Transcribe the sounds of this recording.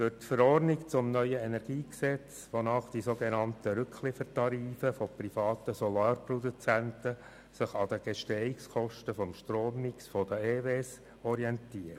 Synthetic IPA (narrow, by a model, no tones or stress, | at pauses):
fʏɾtfəɾɔɾnɪkt͡sʊmnœʏəɛnɛɾɡ̥iːksɛt͡s | ʋonɑːχd̥isoɡenɑntəɾɵkχlɪfəɾtɑɾiːfəfɔprifɑːtəsɔlɑːɾprɔdut͡sæntə | sɪχɑd̪əɡ̥ɛʃtɛikskʰɔʃtəfɔmʃtroːmːiksfɔd̥̪əeːves | ɔɾiɛntiːɾ